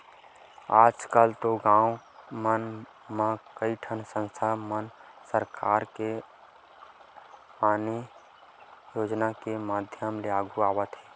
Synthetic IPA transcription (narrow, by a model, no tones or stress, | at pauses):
aːd͡ʒkəlt̪oɡãːumən | makəiʈʰənsə̃nst̪ʰamən | səɾkaːɾke | aːni | joːd͡ʒnakemaːd̪ʱjəmleaːɡʱuaːwət̪ɦɛː